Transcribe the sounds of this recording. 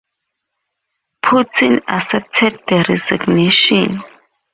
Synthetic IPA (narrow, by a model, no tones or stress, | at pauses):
pʰutʰĩnasɛp̚tʰɛd̚dəɾɛziɡneʃɔ̃n